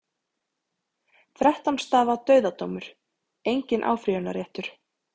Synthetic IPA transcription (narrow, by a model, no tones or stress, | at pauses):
θɾɛht̪anst̪aːðat̪œːɥðat̪owmʏɾ̥ | ejɲcɪnʔa̰ːwfɾiʏnːaɾjɛht̪ʏɾ̥